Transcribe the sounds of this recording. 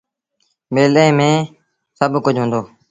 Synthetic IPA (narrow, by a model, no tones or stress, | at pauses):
meːlẽːmẽː | səbʱkʊd͡ʒʱɦõːnd̪oː